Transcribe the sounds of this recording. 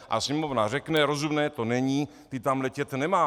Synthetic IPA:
ʔa̰sɲɛmovnar̝ɛknɛɾo̞zumnɛːt̪onɛɲiː | t̪ɪt̪amlɛcɛt̪nɛmaː

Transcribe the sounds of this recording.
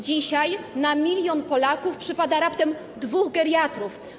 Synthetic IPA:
d͡ʑiɕajnamʲilʲjɔnpɔlakufpʂɘpad̪aɾapt̪ɛm | d̪vuɣɡɛɾʲjat̪ɾuf

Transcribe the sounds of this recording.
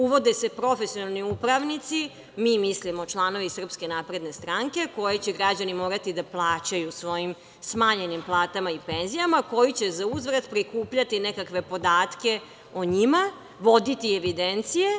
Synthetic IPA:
uʋo̞d̪ese̞pɾo̞fesijo̞nalˠniupɾaʋnit̪si | miːmislimo̞t͡ʃlˠaːno̞ʋisr̩pske̞napɾe̞d̪ne̞st̪ɾaŋke̞ko̞jet͡ɕeɡɾad͡ʑanimo̞ːɾat̪id̪aplˠaːt͡ɕajusʋo̞jim | smaːɲe̞nimplˠaːt̪amaipe̞nzijamako̞jit͡ɕezauzʋɾad̪pɾikuːpʎat̪inekakʋe̞po̞d̪aːt̪ke̞ | oɲima | ʋo̞d̪it̪ieʋid̪ent̪sije

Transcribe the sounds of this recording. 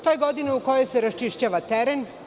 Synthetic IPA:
t̪ojeɡo̞d̪ineuko̞jo̞jseɾast͡ʃiʃt͡ɕaːʋat̪eɾen

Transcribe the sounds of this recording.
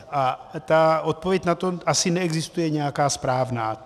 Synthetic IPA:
ʔat̪aʔo̞t̪̚povjɛcnat̪o̞ʔasɪnɛɛɡzɪst̪ujɛɲɛjakaːspɾaːvnaː

